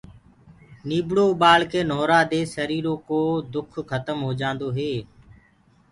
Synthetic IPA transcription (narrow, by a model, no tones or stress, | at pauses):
niːbɽoːɓaːlkeːnoːɾaːd̪eːsəɾiːɾoːkoːd̪ʊkʰxət̪əmɦoːd͡ʒãːnd̪oːɦeː